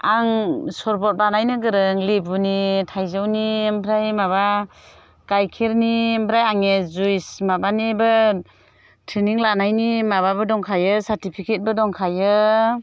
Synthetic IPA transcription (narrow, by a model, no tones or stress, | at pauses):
aŋsɔɾpɔt̚banajnɯɡɯɾɯŋlibunitʰajzawnimpʰɾajmaβa | kajkʰeɾnimpʰɾajaŋezujsmabanibɯ | tʰɾeniŋlanajnimaβabɯdɔŋkʰajɯsaɾtipʰikʰet̚bɯdɔŋkʰajɯ